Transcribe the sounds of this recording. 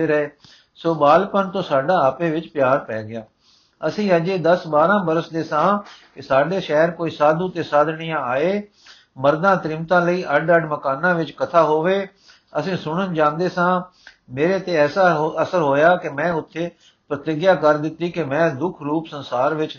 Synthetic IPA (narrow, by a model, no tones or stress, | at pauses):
eːɾeː | soːbaːlpənt̪õːsaːɖaːaːpẽːʋɪt͡ʃpɪjaːɾpɛːɡɪjaː | əsĩːəd͡ʒeːd̪əsbaːɾãːbəɾəsd̪eːsãːkɪsaːɖeːʃɛːɾkoːiːsaːd̪ũːt̪eːsaːd̪ɳɪjãːaːeː | məɾd̪ãːt̪ɾɪmt̪ãːləiːʔəɖəɖməkaːnãːʋɪt͡ʃkət̪ʰaːɦoːʋeː | əsĩːsʊɽ̃ənd͡ʒãːnd̪eːsãː | meːɾeːt̪eːɛːsaːɦəsəɾɦoːjaːkɪmɛ̃ːʊt̪ʰːeː | pɾət̪ɪɡjaːkəɾd̪ɪt̪ːiːkɪmɛ̃ːd̪ʊkʰɾuːpsənsaːɾʋɪt͡ʃ